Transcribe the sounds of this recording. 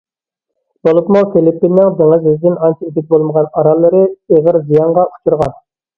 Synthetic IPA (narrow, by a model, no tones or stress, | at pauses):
b̥olˠut̪mɑwfelipːinːɪŋd̪ɪŋɪzizd̪ɪnɑnt͡ʃʰiid̪ɪk̚ʲbolˠməʁɑnɑɾɑlˠːɨɾɨeʁəɾzijɑɴʁɑʔu̥t͡ʃʰuɾʁɑn